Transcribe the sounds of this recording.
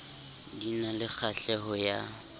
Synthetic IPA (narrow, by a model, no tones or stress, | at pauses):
dinalɪk͡xʰaɬɛɦɔja